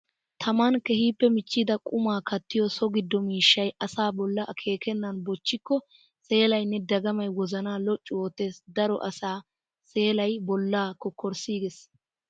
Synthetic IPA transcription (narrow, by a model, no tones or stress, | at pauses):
t̪ʰɐmɐnkɛhiːpːɛmɪt͡ʃːɪd̪ɐkʼʊmaːkʰɐt̪ːɪjɔsɔɡɪd̪ːɔmiːʃːɐjɐsaːbɔlːɐʔkʰe̞ːkɛnːɐnbɔt͡ʃːɪkːɔ | se̞ːlɐjnːɛd̪ɐɡɐmɐjwɔzɐnaːlɔt͡ʃʼːʊwoːt̪ːe̞ːsd̪ɐɾɔʔɐsaː | se̞ːlɐjbɔlːaːkɔkːɔɾsiːɡɛs